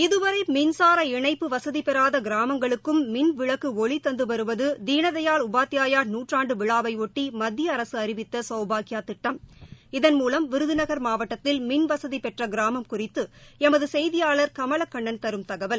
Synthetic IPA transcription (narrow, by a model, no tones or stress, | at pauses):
ɪðɯʋɐɾɐɪmɪnsaːɾɐɪɳɐɪpːɯʋɐsɐðipɛɾaːðɐɡɪɾaːmɐŋɡɐɭɯkːɯmːɪnʋɪɭɐkːɯɔɭit̪ːɐnd̪ɯʋɐɾɯʋɐðɯd̪iːɳɐðɐjaːɭʊbaːt̪ːɪjaːjaːɾnuːʈraːɳɖɯʋɪɭaːʋɐɪɔʈːimɐd̪ʱːɪjɐːɾɐsɯɐɾɪʋɪt̪ːɐsɐʊbaːkɪjaːt̪ɪʈːɐmɪðɐnmuːlɐmʋɪɾɯðɯnɐɣɐɾmaːʋɐʈːɐt̪ːɪlmɪnʋɐsɐðipɛʈrɐɡɪɾaːmɐmkʊrɪt̪ːɯɛmɐðɯsɛjðɪjaːɭɐɾkɐmɐɭɐkːɐɳːɐnt̪ɐɾɯmt̪ɐɣɐʋɐl